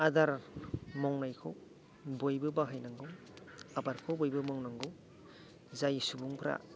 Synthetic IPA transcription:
adaɾmɔŋnajkʰow | bojbɯbaɦajnaŋɡɯw | abaɾkʰowbojbɯmɔŋnaŋɡɯw | zajsubuŋpʰɾa̰

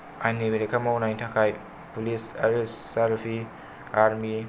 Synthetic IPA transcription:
ajnibiɾekʰamawnajntʰakʰaj | pulisaɾisːaɾpʰi | aɾmi

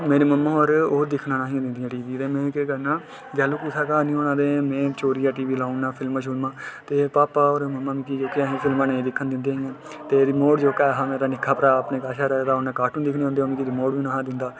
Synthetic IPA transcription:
meːɾeːməmːãːoɾoːd̪ɪkʰnãːnãːɦĩd̪ɪnd̪ɪjãːʈiːʋiːt̪eːmɛ̃ːkekəɾnãː | ɡaːluːkusʰaːkaːnĩːɦoːñãːd̪ẽːmɛ̃ːt͡ʃoːɾijaːʈiːʋiːlaːʊnnaːpʰɪlmãːʃ̬ʊlmãːt̪eːpaːpaːoːɾməmːãːmĩːkid͡ʒoːkeaɦẽːpʰɪlmãːnaːĩːd̪ɪkʰːənd̪ɪ̃nd̪eːiãː | t̪eːd̪imoːɽd͡ʒoːkaːɦãːmeːɾaːnɪkʰːaːpəɾaːəpnẽːkaːʃaːɾaːd̪aːonãːkaːɾʈũːnd̪ɪkʰnẽɦõnd̪ẽːmĩːkid̪imoːɽʋĩːnaːɦãːd̪ɪnd̪aː

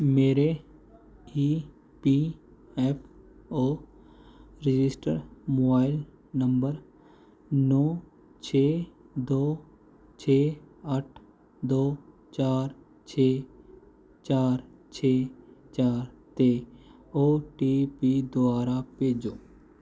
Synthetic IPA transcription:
meːɾe | iː | pi | ɛːp | oː | ɾɪd͡ʒɪsʈə̰ɾmoːbaːɪl | nə̃mbəɾ | nɔː | t͡ʃʰeː | d̪oː | t͡ʃʰeːəʈʰ | d̪oː | t͡ʃaːɾ | t͡ʃʰeː | t͡ʃaːɾt͡ʃʰeːt͡ʃaːɾt̪eː | oːʈipid̪oaːɾapeːd͡ʒoː

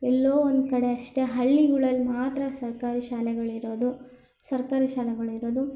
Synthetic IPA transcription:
ɛlːo̞ːond̪kɐɽe̞ɐʂʈe̞ɦɐɭːiɡuɭɐlmaːt̪ɾɐsɐɾkaːɾiʃaːlɛɡɐɭiɾo̞ːd̪u | sɐɾkaːɾiʃaːlɛɡɐɭiɾo̞ːd̪u

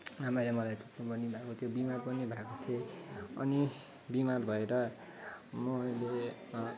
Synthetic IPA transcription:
amajlemʌlajtuknubʌnibʱakot̪ʰjobimarbʌnibʱakot̪ʰijeʌ̰ni | bimarbʱʌeɾʌ | mʌle

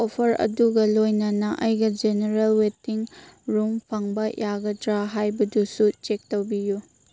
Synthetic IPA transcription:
opʰɐɾɐ̰duɡɐlojnɐnɐʔɐjɡɐd͡ʒeneɾelwetiŋɾumpʰɐŋbɐjaɡɐdɾaɦajbɐdusut͡ʃek̚towbiju

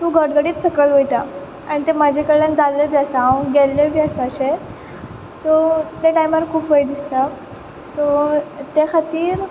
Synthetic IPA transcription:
t̪ũːɡʱəɽɡəɽiːt̪səkəlʋojt̪a | aɽ̃it̪emad͡ʑʱekəɭənd͡zalːebʱjasãɡelebʱjasaɕe | sot̪eʈajməɾkʰuːpbəjd̪ist̪a | sot̪ekʰat̪iːɾ

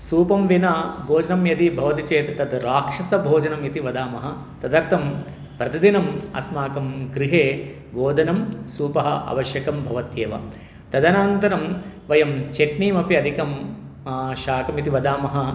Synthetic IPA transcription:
suːpɐmʋinaːbʱoːd͡ʒɐnɐmjɐd̪ibʱɐʋɐt̪it͡ʃeːt̪ɐt̪ɐd̪ɾaːkʂɐsɐbʱoːd͡ʒɐnɐmit̪iʋɐd̪aːmɐɦɐ̆ | t̪ɐd̪ɐɾt̪ʰɐm | pɾɐt̪id̪inɐmɐ̰smaːkɐmɡɾiɦeː | ʋoːd̪ʱɐnɐmsuːpɐɦɐ̰ʔɐ̰ʋɐʃjɐkɐmbʱɐʋɐt̪jeːʋɐ̰ | t̪ɐd̪ɐnaːnt̪ɐɾɐmʋɐjɐmt͡ʃeʈɳiːmɐpiɐd̪ʱikɐm | ʃaːkɐmit̪iʋɐd̪aːmɐɦɐ̆

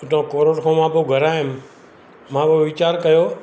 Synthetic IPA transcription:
ʊt̪õːkoːɾoʈkʰõːmãːboɡʱəɾaːɪm | mãːboʋɪt͡ʃaːɾkɐjoː

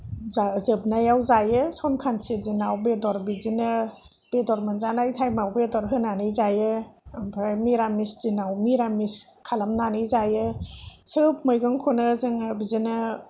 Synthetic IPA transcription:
azɯb̚najawzajɯsɔnkʰansizinawbedɔɾbizinɯ | b̥edɔɾmɯnzanajtʰajmawbedɔɾɦɯnanɯjzajɯbʰajmiɾamisz̥inawmiɾamiskʰalamnanɯjzajɯsɯpmɯjɡɯŋkʰɔnɯzɯŋbizinɯ

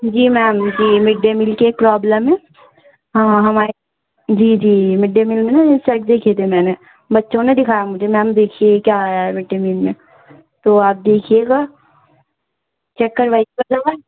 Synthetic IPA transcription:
d͡ʒiːmɛːmd͡ʒiːmɪɖːemɪlkeːk̚pɾɔːbləmẽ | ɦãːɦɐmaːe | d͡ʒiːd͡ʒiːmɪɖːemɪlmẽnasɛkd̪eːkʰet̪ʰemɛ̃ːne | bɐtːʃõnẽd̪ɪkʰaːjamʊd͡ʒʱemɛ̃ːmd̪eːkʰiekjaːjaɦɛʋɪɖːemilmẽ | t̪oːaːp̚d̪eːkʰieɡaː | t͡ʃɛkːɐɾʋaːikibɐd̪aɡa

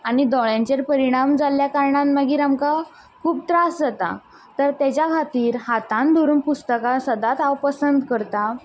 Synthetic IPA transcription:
aɽ̃id̪ɔɭjaɲt͡ɕeɾpəɾiɽ̃amd͡zaljakaɾɳãnmaɡiːɾamka | kʰuːb̚t̪ɾasd͡zat̪a̰ | t̪əɾt̪jat͡ɕjakʰat̪iːɾhat̪ãnd̪ʱoɾuːmpust̪əkasəd̪at̪awpəsənd̪kəɾt̪a

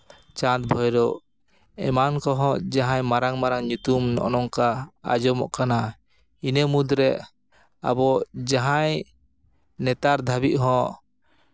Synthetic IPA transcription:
t͡ʃãt̪̚bʱɔjɾɔ | ɛmankɔɦɔ̃d͡ʒaɦãjmaɾaŋmaɾaŋɲut̪umnɔ̰ʔnɔŋkaa̰d͡ʒɔmɔ̰ʔkana | inəmud̪ɾɛ | a̰bɔd͡ʒaɦaj | nɛt̪aɾd̪ʱabiʔ̪̚ɦɔ̃

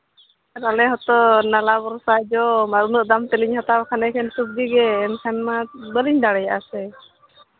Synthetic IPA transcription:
ɾalɛɦɔt̪ɔnalabɔɾsad͡ʒɔmaɾunɔʔ̚d̪amt̪ɛliɲhat̪abkʰanɛkʰɛnsup̚d̪iɡɛːnkʰanmabəliɲd̪aɽɛjaʔasɛ

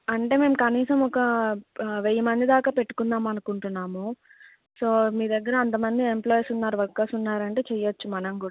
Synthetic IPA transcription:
ɐɳʈe̞ːme̞ːmukɐniːsɐmɔkɐ | ʋejːɐmɐnd̪id̪aːkaːpe̞ʈːu̥kunːaːmɐnukuɳʈunːaːmu | so̞ːmiːd̪ɐɡːɐɾɐːnt̪̬ɐmɐnd̪ie̞mplɔːjsunːaːɾuʋɐɾkːaːsunːaːɾɐɳʈe̞ːt͡ʃɛjɐʋɐt͡ʃːumɐnɐmkuːɽa

